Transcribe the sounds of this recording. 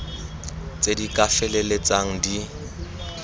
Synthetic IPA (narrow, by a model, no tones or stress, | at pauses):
t͡sʼedikʼafɛlelet͡sʼaŋ̩di